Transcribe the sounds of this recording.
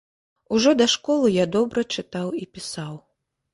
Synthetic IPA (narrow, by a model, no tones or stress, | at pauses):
uʐɔd̪ɐʂkɔlˠɨjad̪ɔbɾɐt͡ʂɨt̪awipʲisaw